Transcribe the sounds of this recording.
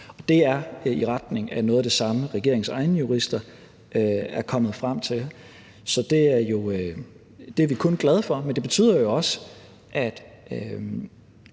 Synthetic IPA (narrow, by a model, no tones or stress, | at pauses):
ɒ̽d̥e̝æɐiʁɑ̈d̥ne̝ŋænɔ̽ːðˠæde̝sɑ̈məʁɛɡ̥e̝ɐ̰eŋ̩sɑ̈ɪnəjuʁisd̥ɐ | øæɐkʰɒ̽m̰ð̞̩ˠfʁam̰t͡sʰe̝l | sɒ̽d̥e̝æɐjo̝ø | d̥e̝æɐʋikʰɔ̽nɡ̥lɛð̞ˠfɒ̽mend̥e̝b̥e̝t͡sʰy̰ːð̰ˠɐjo̝ɒ̽sə | ʔæd̥ | ø